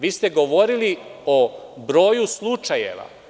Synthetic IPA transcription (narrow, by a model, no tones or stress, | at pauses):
ʋiːst̪eɡo̞ʋo̞ɾiliobɾo̞ːjuslˠut͡ʂajḛʋa̰